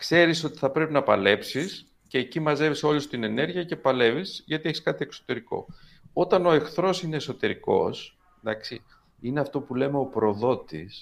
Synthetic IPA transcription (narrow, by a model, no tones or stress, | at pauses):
kse̞ɾiso̞t̪i̥θɐpɾe̞pinɐpɐle̞psis | ce̞ːcimɐze̞viso̞lust̪ine̞ne̞ɾʝiɐce̞pɐle̞visʝɐt̪ieçiskɐt̪ie̞kso̥t̪e̞ɾiko̞̰ | o̞t̪ɐno̞e̞xθɾo̞sine̞ːso̞t̪e̞ɾiko̞̰s | d̪ɐksi | ineɐft̪o̞pule̞me̞o̞pɾo̞ðo̞t̪is